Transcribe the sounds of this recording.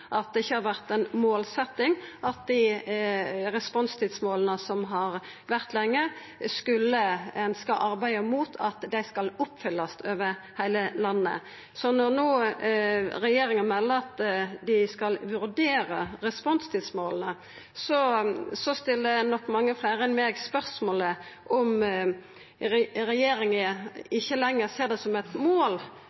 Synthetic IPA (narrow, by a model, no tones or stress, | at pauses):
ʔɑt̪̚d̪ɛɪçːəhɑɾʁʋæʁt̪ɛnmoːlsɛt̪ːɪŋʔɑt̪̚d̪ɪ | ʁɛspɔnst̪ʰiːd̪smoːlənəsɔmɦɑɾ | ʋæʁt̪lɛŋːə | skʉlːəɛnskəʔɑʁbæɪəmuːt̪ʰɑt̪d̪æɪskɑlʊpːfʏlːɑst̪ʰøːʋəɾhæɪləlɑnːə̰ | sɔnɔʁnuː | ɾɛjeːɾɪŋənmɛlːəɑt̪d̪ɪskɑlʋʉɾd̪eːɾəɾɛspɔnst̪ʰɪːd̪smoːlnə | sɔsɔst̪ɪlːənɔkːmɑŋːəflæːɾəɛnmeːɡspœʁsmoːləʔɔm | ɾɛjeːɾɪŋəɪçːəlɛŋːəɾseːʁd̪ɛsɔmɛt̪moːl